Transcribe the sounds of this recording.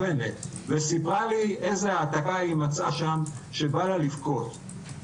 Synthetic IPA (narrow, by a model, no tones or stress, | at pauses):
enet̪ | vesipʁaliʔezeaːt̪akaimat͡saʃamʃebalalifko̞t̪